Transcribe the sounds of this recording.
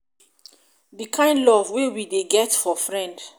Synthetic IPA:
dikʰãɪ̃ndlɔvwewideɡɛtfɔfɹɛ̃nd

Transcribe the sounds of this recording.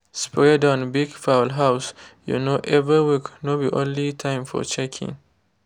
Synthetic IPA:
spɹɛdãnbiɡfaʊlɦaʊsjṵnoʔɛviwikʰnobiʔõnlitʰãɪ̃mfɔ̰t͡ʃɛkʰḭ̃ŋ

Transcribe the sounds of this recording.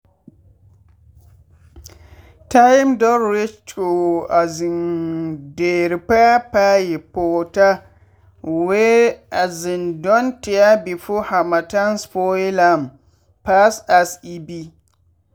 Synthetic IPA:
tajmdɔɾɾet͡ʃt͡ʃoazɪn | deːɾipaapajipoːta | weazindɔntɪjabifohamatanspɔilam | pasasibi

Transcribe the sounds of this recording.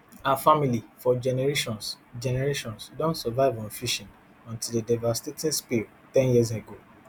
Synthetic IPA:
afamilifɔd͡ʒɛnɛɹeʃɔ̃ns | d͡ʒɛnɛɹeʃɔ̃nsdɔ̃ntsɛvaɪvɔ̃nfiʃĩn | ɔ̃ntildedavastetĩnspil | tɛ̃njis̬eɡo

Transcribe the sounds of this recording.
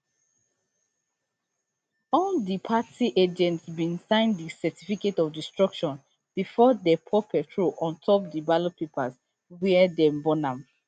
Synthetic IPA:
ɔldipʰatʰiʔed͡ʒɛ̃ntsbĩnsãɪ̃ndisɛtʰifiketɔvdistɹɔkʃɔ̃n | b̥ifɔdɛpʰɔpʰɛtʰɹuʔɔ̃ntʰɔp̚dibalopʰepʰaz | wɛdɛ̃mbɔnãm

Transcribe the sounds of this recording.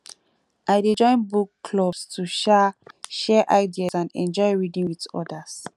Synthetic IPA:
ʔaɪded͡ʒɔ̃ɪ̃nbukːlɔbstʰuʃɛʃɛʔaɪdiasãnɛ̰̃nd͡ʒɔjɹidĩŋwitɔ̰das

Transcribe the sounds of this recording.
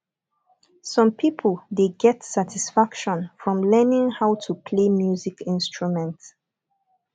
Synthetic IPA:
sɔ̃mpʰipʰəldeɡɛtsatʰisfakʃɔ̃nfɹɔ̃mlɜnɪ̃ŋhaʊtʰupʰlemjuzikɪ̃nstɹumɛ̃nt

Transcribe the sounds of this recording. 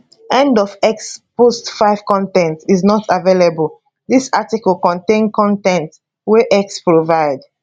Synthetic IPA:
ɛ̃ndɔvɛkspostfaɪv̥kɔ̃ntɛ̃ntiznɔtʰavelebəl | ðisatikɔlˠkɔ̃ntẽnkɔ̃ntɛ̃nt | wɛʔɛkspɹovaɪd

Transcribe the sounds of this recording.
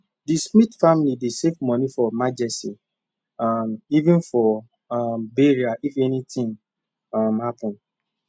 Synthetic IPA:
dismitfamilidesevmɔnifɔmad͡ʒɛsti | amivɪ̃nfɔ | mbeɾiaʔifɛnitɪ̃ŋ | amhapʊ̃n

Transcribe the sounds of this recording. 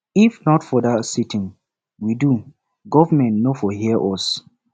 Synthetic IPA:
ifnɔtfɔdasitʰĩŋ | widu | ɡɔvəmɛ̃ntnofɔhiəʔɔs

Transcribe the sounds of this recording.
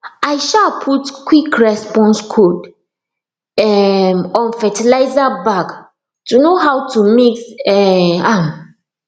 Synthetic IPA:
ajʃapʰutkwikɹɛspɔ̃nskʰod | ɛmɔ̃nfɛtilaɪzabak | tunoɦawtumiksɛam

